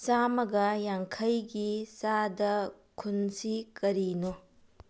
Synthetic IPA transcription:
samɐɡɐjaŋkʰɐjɡisadɐ | kʰunsikɐɾino

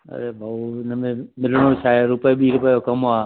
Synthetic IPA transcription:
ə̰ɾeːbʱaːɪnəmẽmɪlɽ̃oːt͡ʃʰaːeɾʊpəeɓiːɾʊpəːjokəmaː

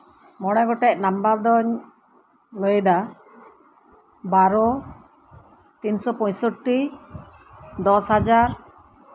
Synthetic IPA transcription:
mɔɽ̃ɛɡɔʈɛc̚nambaɾd̪ɔɲ | ləjd̪a | baɾɔ | t̪insɔpɔɲsɔʈːi | d̪ɔsɦad͡ʒaɾ

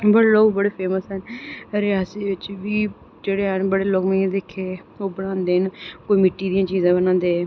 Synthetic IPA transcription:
bəɽeloːɡbəɽeːpʰeːməsɦənɾɪaːseʋɪt͡ʃʋiː | d͡ʒeːɽeːɦənbəɽeːloːɡmẽd̪eːkʰːeː | oːbəɽãːnd̪eːnkoːiːmɪʈːiːd̪ijãːt͡ʃiːzãːbənãːnd̪eː

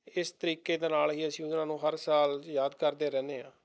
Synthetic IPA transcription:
ɪst̪əɾiːkeːd̪eːnaːlɦiːəsĩːʊnãːnũːɦəɾsaːljaːd̪kəɾd̪eːɾɛ̃ːneːãː

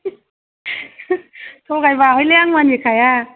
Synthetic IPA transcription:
sʰowɣajvaːwhəjleʔaŋwaːnjik̚ajaː

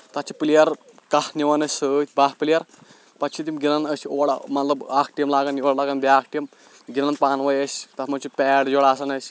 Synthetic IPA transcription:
t̪ɐt͡ʃʰipɨlijɐɾ | kɐhnʲiʋɐnɐsʲsəːt̪ʰʲbahpɨlijɐɾ | pɐt͡ʃʰit̪imɡʲinɐnəsʲoːɽ̰mɐt̪lɐbaːkʰʈijmlaːɡɐnjoɽlaɡɐnbʲaːkʰʈijm | ɡʲinɐnpaːnʋɐjəsʲt̪ɐt̪ʰmɐt͡ʃʰipɛːɽd͡ʒoɽaːsɐnɐsʲ

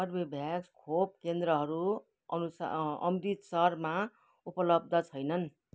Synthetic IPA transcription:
ʌrbibʱjaɡskʰop̚kend̪ɾʌɦʌɾu | ʌ̰nusʌ̰mɾit̪sʌrma | upʌlʌb̚d̪ʱʌt͡sʰʌjnʌn

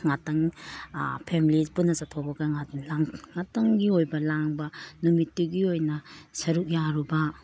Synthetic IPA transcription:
ŋatɐŋ | pʰemilipunːɐsatʰobɐɡɐŋalaŋŋataŋɡiojbɐlaŋbɐnumitːuɡiojnɐsɐɾuk̚jaɾubɐ

